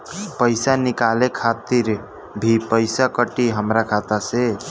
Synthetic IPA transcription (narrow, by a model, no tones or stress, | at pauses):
pəɪsanikalekʰat̪iɾ | bʱipəjsakəʈiɦəmɾakʰat̪ase